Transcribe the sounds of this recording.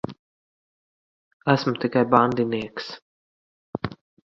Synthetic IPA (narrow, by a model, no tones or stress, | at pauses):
æsmʊt̪ikajband̪iniɛks